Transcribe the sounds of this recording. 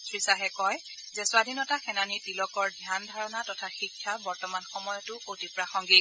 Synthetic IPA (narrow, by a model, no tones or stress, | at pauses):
tʰɹisaɦɛkɔj | zɛsʊadʱinɔtaxɛnanitilɔkɔɹdʱjandʱaɹɔnatɔtʰaxikʰːabɔɹtɔmanxɔmɔjɔtʊkotipɹaxɔŋɡi